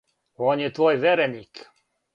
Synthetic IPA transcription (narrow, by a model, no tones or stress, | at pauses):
ɔnjɛt̪ʋɔjʋɛɾɛnʲiːk